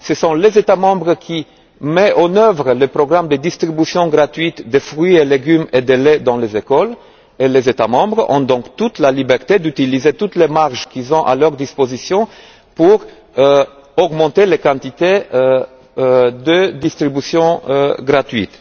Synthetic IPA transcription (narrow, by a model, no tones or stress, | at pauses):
səsɔ̃lezet̪amɑ̃bʁəkʰʲi | mɛʔɑ̃nœvʁələpʁɔɡʁamd̪əd̪ist̪χibysjɔ̃ɡʁat̪ɥit̪d̪efʁɥieleɡymed̪eled̪ɑ̃lezekɔl | elezet̪amɑ̃bʁɔ̰̃d̪ɔ̃kt̪ut̪lalibɛʁt̪ed̪yt̪ilizet̪ut̪lemaʁʒkizɔ̃ʔa̰lœʁd̪ispozisjɔ̃ | puʁ | ɔɡmɑ̃t̪elekɑ̃t̪it̪e | d̪əd̪ist̪χibysjɔ̃ɡʁat̪ɥḭt̪